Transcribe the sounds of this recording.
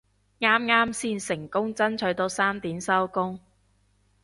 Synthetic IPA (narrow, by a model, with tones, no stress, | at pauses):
ŋaː˥mŋaː˥msiː˧nsɪ˨˩ŋkʊ˥ŋt͡sɐ˥nt͡ʃʰɵ˨˥t̪o˨˥wsaː˥mt̪iː˨˥msɐ˥wkʊ˥ŋ